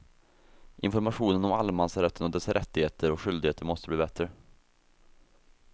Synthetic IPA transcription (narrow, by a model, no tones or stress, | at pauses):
ʔɪ̰nfɔɾmaɧuːnənɔmalmansɾɛt̪ʰːənɔd̪ɛsɾʔɛt̪ːɪheːt̪ʰəɾɔkɧʏld̪ɪɡheːt̪əɾmɔst̪əbliːbɛt̪ɾə